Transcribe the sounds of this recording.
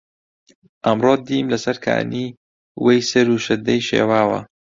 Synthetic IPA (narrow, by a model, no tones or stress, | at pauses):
ʔɐmroːd̪iːmlɐsɐɾkʰa̰ːniː | wejsɐɾuʃɐd̪ːɐjʃḛːwaːwɐ̰